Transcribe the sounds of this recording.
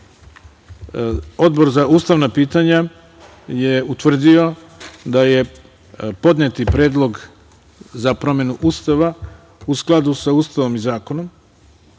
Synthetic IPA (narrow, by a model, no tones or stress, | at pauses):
o̞d̪bo̞ɾzauːst̪aʋnapiːt̪aɲa | jeut̪ʋr̩d̪io̞ | d̪aje̞ | po̞d̪net̪ipɾeːd̪lˠo̞ɡ | zapɾo̞me̞nuʔust̪aʋa | usklˠad̪usauːst̪aʋo̞mizaːko̞no̞m